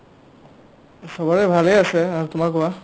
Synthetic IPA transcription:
sɔbɔɹɛbʱalejasɛaɹtʊmakɔwa

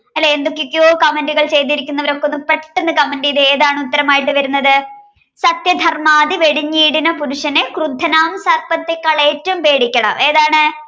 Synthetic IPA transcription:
ɐlːeend̪okːekːjoːkɐmenɖuɣɐɭt͡ɕe̞jt̪̬ːiɾikʲːunːɐʋɐɾo̞kːeonːɨpeʈːenːɨkɐmenɖɨiðɨeːðaːɳɨut̪ːɐɾɐmaːjiʈːɨʋɐɾunːɐðɨ | sɐt̪jɐd̪ʱɐrmaːðiʋe̞ɽiɲːiːɽinɐpuɾuʂɐnekrud̪ʱːɐnaːmsɐrpɐt̪ːekːɐɭeːtːɐumpe̞ːɽikʲːɐɳɐ̰me̞ːðaːɳɨ

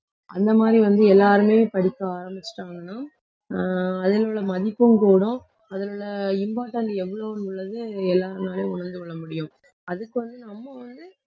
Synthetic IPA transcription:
ɐ̰nd̪ɐmaːd̪ɾiʋɐnd̪ɯɛlːaːɾɯmeːpɐɽɪkːɐaːɾɐmbɪt͡ʃːʈːaːŋɡɐnːaː | ɐðɪloːɭɐmɐðɪpːɯmkuːɽʊ̃ | ɐðɐlʊɭːɐɪmbaːʈːɐnɖɛʋːɐɭoːnɡʊɭːɐðɯɛlːaːɾɯnaːleːʊɳɐɾnd̪ɯkɔɭːɐmʊɽɪjʊ̃ | ɐðɯkːɯʋɐnd̪ɯnɐmːɐʋɐnd̪ɯ

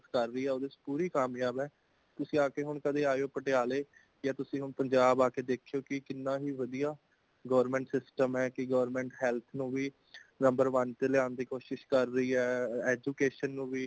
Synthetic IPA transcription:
t̪kəɾːəiːɛːoːd̪espuːɾiːkaːmjaːbɛː | t̪ʊsĩːaːkeːɦʊɳkəd̪eːaːjoːpəʈejaːleː | jaːt̪ʊsĩːɦʊɳpəɲd͡ʒaːbaːkeːd̪eːkʰejoːkɪkɪnːãːɦiːʋəd̪ijaː | ɡəːʋəɾmɛ̃ːɳʈsɪsʈəmɦɛːkɪɡəʋɾmɛ̃ːɳʈɦɛːlt̪ʰnũːʋiː | nəmbəɾʋənt̪elɪaːnd̪iːkoːʃɪʃkəɾːəiːɦɛːɛːd͡ʒuːkeːʃənːũːʋiː

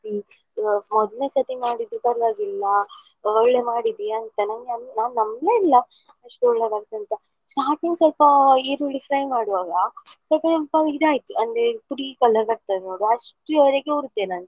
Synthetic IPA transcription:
i | mɔd̪lne̞ːsɐt̪imaːɽid̪ɾukɐɾlaːɡilːɐ | ɔɭːemaːɽid̪iɐnt̪ɐnaːnnɐmnaːnnɐmleːilːɐ | ɐʂʈuɔɭːeɡaːɡt̪ːɐnt̪ɐ | sʈaːɾʈiŋɡsɔlpɐiɾuɖifɾɐjmaːɽuʋaːɡɐsɔlpɐsɔlpɐid̪aːjit̪ːuɐnd̪epuɾikɐlːɐɡɐɾ̚t̪adenoːɽuɐʂʈuɛɾeɡeuɾut̪ːenaːn

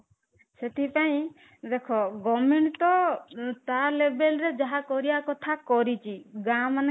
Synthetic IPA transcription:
set̪ʰipaĩ | d̪ekʰɔɡɔmeɳʈt̪ɔt̪alebelɾed͡ʒaɦakɔɾiakɔt̪ʰakɔɾit͡ʃʰiɡamane

